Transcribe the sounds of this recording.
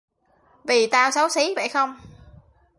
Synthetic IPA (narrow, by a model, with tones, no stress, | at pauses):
vi˨˩t̪aː˧wsa˨˦wsi˨˦və̰˧˨jxə˧wŋ͡m